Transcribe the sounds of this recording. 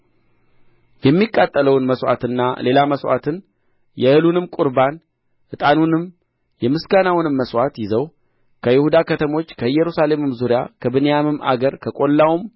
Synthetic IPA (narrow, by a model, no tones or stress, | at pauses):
jɛmːikʼːat̪ʼːələwnməswʷʔa̰t̪ɨnːale̞laməswa̰t̪ʰɨn | jɛhɨlunɨmkʼuɾban | hɨt̪ʼanunɨm | jɛmɨsɡanawnɨmːəswat̪jɪzəw | kʰəjɪhud̪akʰət̪ʰəmo̞t͡ʃːkʰəɨjːɛɾusale̞mɨmzuɾija̰kʰəbɨnejamɨma̰ɡəɾkʰəkʼo̞lːawum